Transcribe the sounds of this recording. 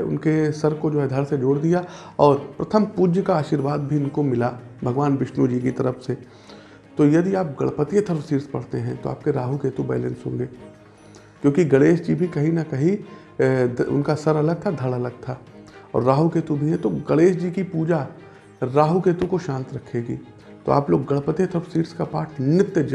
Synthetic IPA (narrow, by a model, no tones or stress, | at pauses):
ʊ̰nkesɐɾkod͡ʒoːɦɛd̪ʱɐɽsed͡ʒoːɽd̪ijaɔːɾpɾɐt̪ʰəmpuːd͡ʒəkaaːʃiːɾʋaːd̪̚bʱiɪnkomɪlabʱɐɡʋaːnʋɪʃnud͡ʒiːkit̪ɐɾəfse | t̪ojɐd̪iaːp̚ɡɐɭpət̪iet̪ʰɐɾʋsiːɾspɐ̰ɽ̤t̪eɦɛ̃t̪oa̰ːp̚keɾaːɦukeːt̪ũbɛ̰ːlɛ̰̃ːnsɦõ̰ːŋɡeː | kjõːkiɡɐɽeːʃd͡ʒibʱikɐɦinɐkɐɦi | ʊ̰nkasɐɾɐləɡ̚t̪ʰad̪ʱɐɭɐləɡ̚t̪ʰaː | ɔ̰ːɾːaːɦukeːt̪ũbʱiɦɛ̃t̪oɡɐɭeːʃd͡ʒiːkipuːd͡ʒa | ɾaːɦukeːt̪ũkoʃãːnt̪ɾɐkʰeːɡḭː | t̪o̰a̰ːploːɡːɐɭpət̪ijət̪ʰəɾfsiːɾskapaːʈʰnɪt̪jəd͡ʒ